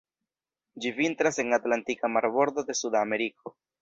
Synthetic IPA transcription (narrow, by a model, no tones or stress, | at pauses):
d͡ʒivintɾase̞ŋatlantikamaɾbo̞ɾd̪o̞d̪e̞sudame̞ɾiko̞